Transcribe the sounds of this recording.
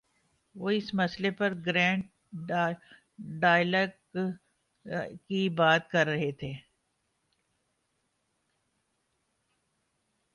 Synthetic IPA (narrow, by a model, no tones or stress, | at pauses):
ʋoːɪsmɐslepɐɾɡɾɛ̃ːɳʈ | ɖaːɪlək | kibaːt̪̚kɐɾːɐɦet̪ʰeː